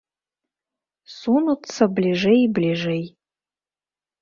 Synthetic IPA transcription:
sunut͡sʰːɐblʲiʐejblʲiʐej

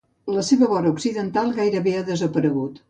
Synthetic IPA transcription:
ləseβəβɔɾəuksiðənt̪alˠɣajɾəβeaðəzəpəɾəɣ̞ut̪

